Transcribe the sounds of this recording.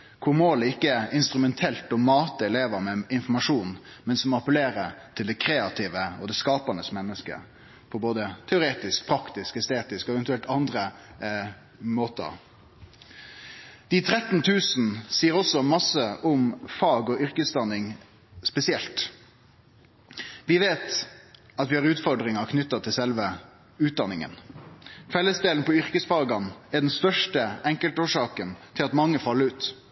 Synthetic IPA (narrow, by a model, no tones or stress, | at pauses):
kʰʊʁmoːləɪkːəæɾɪnst̪ʁʉmɛnt̪ʰɛlt̪ɔmɑːt̪əɛleːʋəɾmɛɪnfɔmɑʂuːnmɛnsɔmɑpəleːʁət̪ʰɪld̪ɛkʰɾeːɑt̪ʰɪʋəɔ̰d̪ɛskɑːpɑnəsmɛnːəskə̰ | pʰɔboːd̪ət̪ʰɛʊɾeːt̪ɪsk̚pʰɾɑkt̪ɪskɛst̪eːt̪ɪskɔɛʋɛnt̪ʉɛlt̪ɑnd̪ɾə | moːt̪ə̰ | d̪̥it̪ʰɾɛt̪n̩t̪ʰʉːsn̩siːəɾɔsɔmɑsəʔʊmfɑːɡɔʔʏʁkəsd̪ɑnːɪŋ | spɛsɪɛlt̪ | ʋɪʋeːt̪ | ɑt̪ʋɪhɑʁʉːt̪fɔɖʁɪŋɑkʰnʏt̪ːɑt̪ʰɪlsɛlʋə | ʉːt̪̚d̪ɑnːɪŋə̰n | fɛlːəsd̪eːln̩pʰɔʏʁkəsfɑːɡɑnæɖɛnst̪œʂʈəɛŋkəlt̪oːʂɑːkənt̪ʰɪlɑt̪mɑŋːəfɑlːəɾʉːt̪